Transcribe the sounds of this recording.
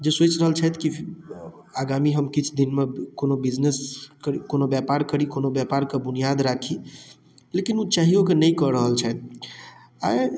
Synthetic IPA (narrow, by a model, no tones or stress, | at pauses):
d͡ʒesot͡ʃɾəɦəlt͡ʃʰɛt̪ʰki | aɡamiɦəmkit͡ʃʰd̪inmekonobid͡ʒneskəɾikonobjapaɾkəɾikonobjapaɾkebunijad̪ɾakʰi | lekinut͡ʃaɦiokenəjkəɾəɦəlt͡ʃʰɛt̪̚ | a